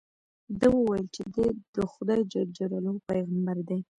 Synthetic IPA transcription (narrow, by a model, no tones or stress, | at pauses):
d̪əwəwajəlt͡ʃed̪ed̪̥əxʊd̪ɑjd͡ʒad͡ʒaɾalopajɣambaɾd̪e